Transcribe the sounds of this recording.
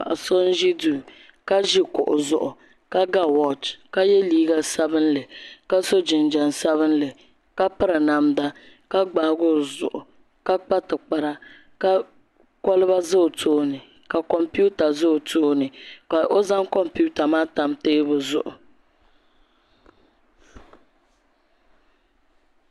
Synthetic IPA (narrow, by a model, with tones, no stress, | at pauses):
a̰˨ʔa˨so˦n˦ʒi˦duː˨ | ka˦ʒi˦kʊ˨ʔʊ˨zʊ˨ʔʊ˨ | ka˦ɡa˦wɔ˨t͡ʃka˦jɛ˦liː˦ɡa˦sa˦bɨ˦n˦lɨ˨ka˦so˦d͡ʒɪ˨n˨d͡ʒa˨n˨sa˦βɨ˦n̩˦lɨ˨ | ka˦pɨ˦ɾɨ˨na˨mda˦ | ka˦ɡ͡baː˨˦ɡʊ˦˨zʊ̰˨ʔʊ˨ | ka˦k͡pa˦tɨ˨k͡pa˨ɾa˦ | ka˦ | kɔ˦lɨ˦ba˦zɨ˦˨tʰoː˦nɨ˨ | ka˨kɔ˨mpu˦ta˨zɨ˦˨tʰoː˦nɨ˨ka˨ʔo˦za˦ŋkɔ˦mpu˦ta˨maː˦ta˦mteː˦bʊ˨zʊ̰˨ʔʊ̰˨